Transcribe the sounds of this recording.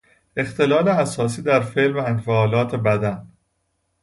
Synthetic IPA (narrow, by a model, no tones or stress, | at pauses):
e̞xt̪ʰe̞lɒːleæsɒːsiːd̪æɾfeːʔlvæænɡfæɒːlɒːt̪ʰe̞bæd̪æn